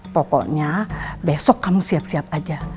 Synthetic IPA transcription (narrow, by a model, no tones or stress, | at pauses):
pɔkɔ̰ʔɲabesɔkːamusiap̚siap̚ad͡ʒa